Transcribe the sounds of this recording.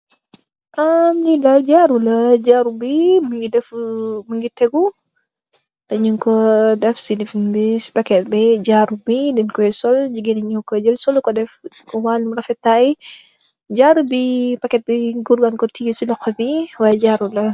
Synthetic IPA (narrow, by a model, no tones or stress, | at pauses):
ʔamnidald͡ʒaɾulɐd͡ʒaɾubiməŋɡidɛfməŋɡitɛɡu | tɐɲukɔdɐfsinifnbisi̥pakɛt̪̚bɛd͡ʒaɾubidɛnkɔɛsɔld͡ʒiɡinɐɲukɔd͡ʒəlsɔlkɔdɛf | kɔwanumɾɐfɛtai | d͡ʒaɾubipakɛt̪̚bɛɡurɡankɔtijusilɔkːɔbiwajɛd͡ʒaɾulɐ